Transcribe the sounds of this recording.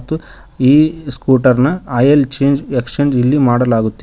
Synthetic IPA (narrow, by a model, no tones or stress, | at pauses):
t̪ːu | iːskuːʈɐɾnɐɐjelt͡ʃeːnd͡ʒekst͡ʃeːɲd͡ʒilːimaːɽɐlaːɡut̪ːi